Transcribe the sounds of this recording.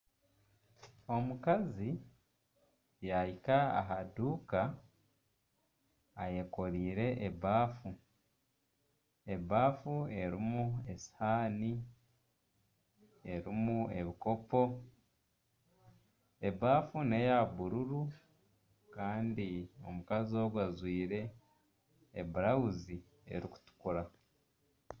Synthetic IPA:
o̞mukazi | jajikaa̰ɦaduːka | je̞ko̞ɾiːɾe̞ʔeβaːfu | eβaːfue̞ɾimue̞shaːni | e̞ɾimue̞βiko̞po̞ | e̞βaːfune̞jaβuɾuɾu | kaːndio̞̰mukazio̞ɡwazwiːɾe̞ | βuɾawuzi | ḛɾiku̥tu̥kuɾa

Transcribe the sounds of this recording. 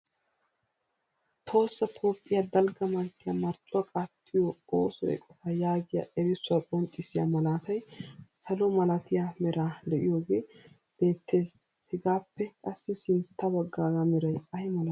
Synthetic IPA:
t̪ʰo̞ːsːɐt̪ʰo̞ːpʼːɪjɐd̪ɐlɡɐmɐnt̪ːɪjamɐɾt͡ʃʼʊɐkʼat̪ʰːɪjɔoːsɔɛ̰kʼɔfɐjaːɡɪja̰ʔɛɾɪsːʊɐkʼɔnt͡ʃʼːɪsɪja̰mɐlaːt̪ɐjsɐlɔmɐlɐt̪ɪjamɛɾaːd̪ɛʔɪjo̞ːɡe̞ː | b̥e̞ːt̪ʰːeːs | h̪ɪɡaːpːɛkʼɐsːɪsɪnt̪ːɐbɐɡːaːɡamɛɾɐjɐhɛmɐlɐ

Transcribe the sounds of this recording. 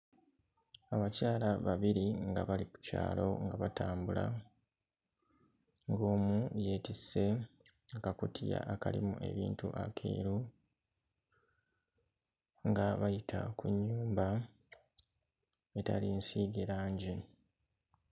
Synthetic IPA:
aβacaːlaβaβiɾiŋɡaβaliku̥ca̰ːlo̞̰ŋɡaβataːmbula | ŋɡo̞ːmuje̞ːtise̞ | akakutʰija̰ʔakalḭmuʔe̞̰βḭːntṵʔakʰḛːɾu | ŋɡaβajitʰa̰kuɲːuːmba | e̞talinsiːɡeɾaːɲɟe

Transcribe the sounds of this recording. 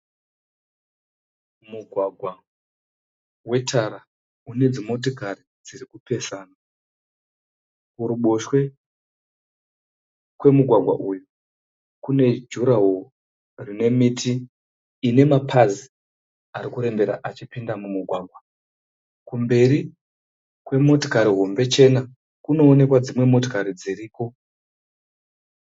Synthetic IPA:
muɡʱwaɡʱwa | we̞tʰaɾa | une̞d͡zimo̞t̬okari | d͡zirikupe̞saːna | kuɾuɓoʃwe̞ | kwe̞muɡʱwaɡʱwa̰ʔuju | kune̞d͡ʒuɾaɦo | rine̞mitʰiː | ne̞mapʰazi | aɾikuɾe̞mbe̞ɾa̰ʔat͡ʃipindamumuɡʱwaːɡʱwa | kumbe̞ɾi | kwe̞mo̞to̥kaɾiɦo̞mbe̞t͡ʃe̞na | kuno̞ːne̞kwad͡zimwe̞mo̞tokaɾid͡ziriːko̞

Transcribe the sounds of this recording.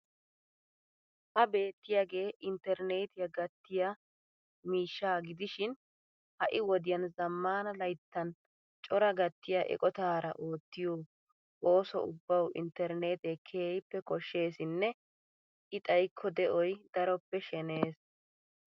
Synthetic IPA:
hɐbe̞ːt̪ːɪjaːɡe̞ːʔɪnt̪ɛɾne̞ːt̪ɪjɐɡɐt̪ːɪja | miːʃːaːɡɪd̪ɪʃɪn | hɐʔɪwɔd̪ɪjɐnzɐmːaːnɐlɐjt̪ːɐn | t͡ʃʼɔɾɐɡɐt̪ːɪjaʔɛ̰kʼɔt̪aːɾɐ̰ʔo̞ːt̪ːɪjoː | o̞ːsɔ̰ʊbːɐwʔɪ̰nt̪ːɛɾne̞ːt̪ɛkʰeːjpːɛkɔʃːe̞ːsɪnːɛ | ʔɪt̪ʼɐjkʰːɔd̪ɛʔɔjd̪ɐɾɔpːɛʃɛne̞ːs

